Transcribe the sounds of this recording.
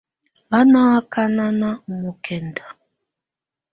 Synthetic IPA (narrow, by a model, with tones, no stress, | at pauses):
ba˦na˦wa˦ka˦na˦na˦˨mu˨kʰɛ˨nda˨